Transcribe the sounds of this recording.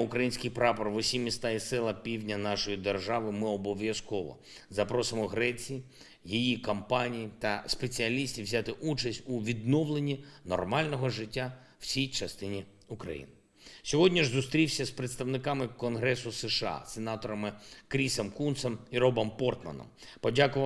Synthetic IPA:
ʊkɾɐjinʲsʲkɪjpɾɑpɔrʋɔsʲimʲist̪ɑisɪlˠɐpʲiwdʲnʲɐnɑʃɔjid̪erʒɑʋɪmɪɔbɔʋʲjɐskɔʋɔ̰ | zɐpɾɔsɪmɔɦɾɛt͡sʲiji | jijikɐmpɑnʲijit̪ɐspe̞t͡sʲiɐlʲisʲtʲiwzʲat̪ɪʔut͡ʃɐsʲtʲuʋʲid̪nɔʋlˠenʲinɔ̰rmɑlʲnɔɦɔʒɪtʲːa | w̥sʲijt͡ʃɐst̪ɪnʲi | ukɾɐ̰jḭnɪ | sʲɔɦɔdʲnʲiʒzʊst̪ɾʲiwsʲɐspɾet̪st̪ɐʋnɪkɑmɪkɔnɦɾɛsʊseʃɑ̰senɑt̪ɔɾɐmɪkɾʲisɔmkunt̪sɔmiɾɔbɔmpɔrt̪mɐ̰nɔ̰mpɔdʲakʊʋ

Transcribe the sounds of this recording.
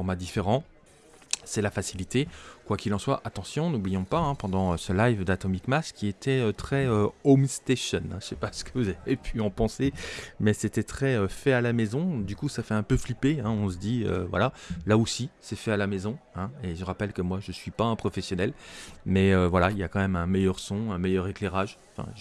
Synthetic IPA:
fɔʁmad̪ifeʁɑ̃ | sɛlafasilit̪ekwakʲilɑ̃swaʔat̪ɑ̃sjɔ̃nublijɔ̃paɛ̃pɑ̃d̪ɑ̃øsəlajvd̪at̪ɔmikmaskʲiet̪ʰɛøt̪χɛøomst̪eʃɔnɛ̃ʃɛpasə̥kəvuzavepʰyɑ̃pɑ̃semɛset̪ɛt̪χɛøfɛalamɛzɔ̃d̪ykusafɛɛ̃pøflipeɛ̃ɔ̃s̬əd̪iø̰vwa̰lalaosisɛfɛalamezɔ̃ɛ̃eʒəʁapɛlkəmwaʒəsɥipaɛ̃pχɔfɛsjɔnɛlmɛøvwalailjakɑ̃mɛmɛ̃mɛjœʁsɔ̃ɛ̃mɛjœʁekleʁaʒɑ̃fɛ̰̃ʒ

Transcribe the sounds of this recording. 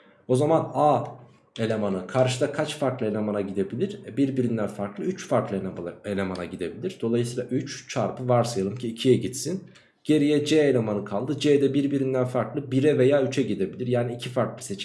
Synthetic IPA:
o̞zamanaː | e̞lʲe̞manɯkʰaɾʃɯd̪akʰat͡ʃfaɾklˠɯe̞lʲe̞manaɟid̪e̞bilʲiɾɛbiɾbiɾind̪ænfaɾklˠɯyt͡ʃfaɾklˠɯee̞lʲe̞mana̰ɟid̪e̞bilʲiɾd̪̥olˠajɯsiːlˠaʔyt͡ʃt͡ʃʰaɾpɯvaɾsajalˠɯmcʰiːcʰijɛɟit̪sin | ɟ̥e̞ɾijɛd͡ʒɛelʲe̞manɯkʰalˠd̪ɯd͡ʒeːd̪ɛbiɾbiɾind̪ænfaɾklˠɯbiɾɛve̞jaːyt͡ʃʰɛɟid̪e̞bilʲiɾjaːniicʰifaɾklˠɯ̥se̞t͡ʃ

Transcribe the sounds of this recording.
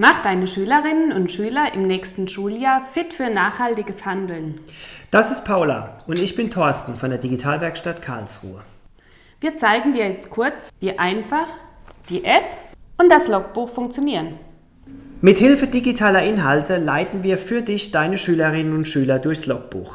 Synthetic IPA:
maχd̥aɪnəʃyːlɐʁɪnənʊntʃyːlɐʔɪmnɛːçstn̩ʃuːljaːɐfɪtfyːɐnaːχhaltɪɡəshandl̩nd̥asɪst̚pʰaʊla̰ʔʊntɪçb̥ɪntʰɔɐstn̩fɔndeːɐdiɡitʰaːlvɛɐkʃtatkʰaɐlsʁṵːə | viːɐt͡saɪɡŋ̩diːɐjɛt͡stkʰʊɐt͡sviːʔaɪnfaχd̥iːʔɛpʔʊnt̚d̥aslɔk̚b̥uːxfʊŋkt͡sjoniːʁən | mɪthɪlfədiɡitʰaːlɐʔɪnɦaltʰəlaɪtn̩viːɐfyːɐdɪçd̥aɪnəʃyːləʁɪnənʊntʃyːlɐdʊɐçslɔk̚b̥ṵːx

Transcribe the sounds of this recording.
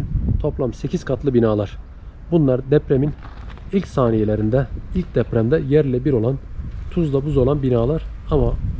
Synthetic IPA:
t̪ʰo̞plˠamse̞cʰizkʰat̪lˠɯbinaːlˠaɾ̥ | bunlˠaɾd̪ɛpɾemin | ilʲcsaːnije̞lʲeɾind̪ɛilʲc̚d̪ɛpɾæmd̪ɛjæɾlʲɛbiɾo̞lˠant̪ʰuzlˠabuzo̞lˠanbinaːlˠaɾ | ama

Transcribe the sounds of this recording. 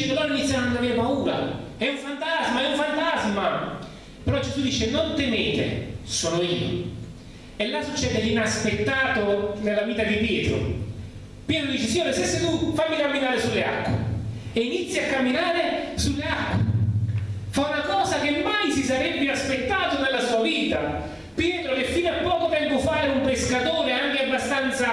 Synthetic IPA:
palɔːɾainit̪sjannnaveːapauːɾa̰ɛuɱfant̪azmaɛuɱfant̪azma | peɾɔd͡ʒezud̪iːt͡ʃenont̪emeːt̪ḛsoːnoiːo̰ | elːasut͡ʃːɛːd̪einaspet̪ːaːt̪onelːaviːt̪ad̪ipjɛːt̪ɾo̰ | pjɛːt̪ɾod̪iːt͡ʃesiɲːoːɾesesːet̪ufajmːikamːinaːɾesulːea̰kːwḛ | einit̪sːiakːamːinaːɾesulːeakːwḛ | faunakɔːzak̟emːajsisaɾɛbːinaspet̪ːaːt̪onelːasuːaviːt̪a | pjɛːt̪ɾokefːiːnapːɔːkot̪ɛŋɡofaːɾeumpeskat̪oːɾeaŋk̟eabːast̪ant̪sa

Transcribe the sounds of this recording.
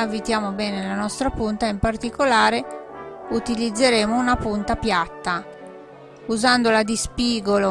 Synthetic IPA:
avit̪jaːmobɛːnenlanɔst̪ɾapunt̪aimpart̪ikolaːɾe | ut̪ilid̪zːeɾeːmounapunt̪apjat̪ːa | uzand̪olad̪ispiːɡolo

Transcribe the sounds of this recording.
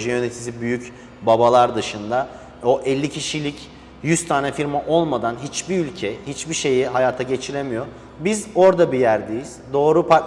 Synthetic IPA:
ʒɛjø̞ne̞t̪ʰizibyjyc | babalˠaɾd̪ɯʃɯnd̪a | o̞ʔɛlʲːicʰiʃilʲic | jyz̥t̪ʰaːnɛfiɾmaʔo̞lˠmad̪anɦit͡ʃbiylʲcʰɛhit͡ʃbiʃe̞jiɦajaːt̪ʰaɟe̞t͡ʃʰiɾemijo̞ | bizo̞ɾd̪abijæɾd̪ejiz̥d̪o̞ːɾupʰa

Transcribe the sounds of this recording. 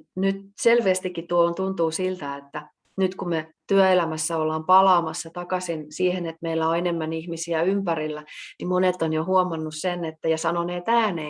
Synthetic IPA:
nyt̪selʋeːst̪ikːitt̪uoont̪unt̪uːsilt̪æet̪ːæ | nyt̪kummet̪yæelæmæsːæolːɑːmpɑlɑːmɑsːɑt̪ɑkɑsinsiːhenet̪meilːæoenemːænihmisiæympærilːænimonet̪ːˑonjohuomɑnːussenet̪ːæjɑsɑnoneːt̪æːne

